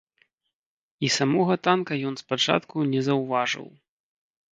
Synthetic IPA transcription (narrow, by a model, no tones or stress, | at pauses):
isamɔɣɐt̪ankɐjɔnspat͡ʂa̰t̪kunʲɛzɐwvaʐɨ̰w